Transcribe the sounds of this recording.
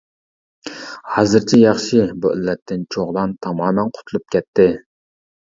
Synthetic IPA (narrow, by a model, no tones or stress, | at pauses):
hɑːzɨɾt͡ʃʰɛjɑχʃibuʔɪlːɛt̪ʰːɪnt͡ʃʰoʁlˠɑnt̪ʰɑmɑːmɛnqʰʊ̥t̪ʰulˠup̚kʲɛt̪ʰːɪ